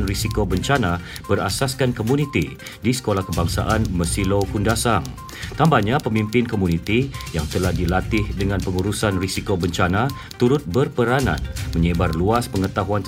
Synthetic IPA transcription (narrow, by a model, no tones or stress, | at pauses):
nrisikobəɲt͡ʃana | b̥əra̰saskankomũnit̪i | disə̥kolahkəbaŋsa̰ʔanməsilokundasaŋ | t̪ambahɲãpəmĩmpɪnkomunĩt̪ijaŋt̪əlahdilat̪ɪhdəŋãnpəŋuɾusanrisikobəɲt͡ʃanã | t̪uɾʊt̪̚bərpəɾanã̰nmə̃ɲəbarluaspəŋət̪aɦuan